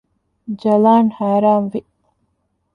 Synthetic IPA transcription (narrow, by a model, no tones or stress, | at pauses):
d͡ʒɐlaːnhaːɾaːmʋi